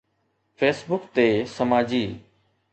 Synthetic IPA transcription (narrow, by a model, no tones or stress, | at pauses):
fʰeːsbʊkt̪eːsəmaːd͡ʑiː